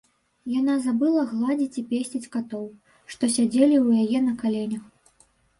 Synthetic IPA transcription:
janazabɨlˠɐɣlˠad͡zʲit͡sʲipʲesʲt͡sʲit͡sʲkat̪ɔw | ʂt̪ɔsʲad͡zʲelʲiwjajɛnɐkalʲɛnʲɐx

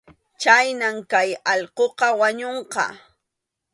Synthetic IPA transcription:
t͡ʃajnamkajɑʎqoqɑwaɲoɴqɑ̰

